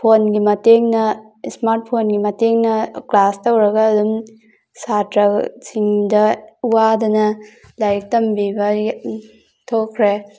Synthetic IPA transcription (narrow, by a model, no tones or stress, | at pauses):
pʰonɡimɐteŋnɐ | smaɾt̚pʰonɡimɐteŋnɐklastɐwɾɐɡɐːdum | satɾɐsiŋdɐuwadɐnɐ | lajk̚tɐmbibɐ | tʰokʰɾe